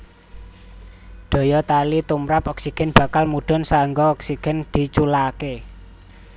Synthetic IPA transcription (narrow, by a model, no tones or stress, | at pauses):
ɖ̪̥o̤jɔt̪alit̪umɾapɔksiɡ̥ɛ̤nb̥ä̤kalmuɖ̥ɔ̤nsaŋɡɔːksiɡ̥ɛ̤nd̪̥i̤t͡ʃulake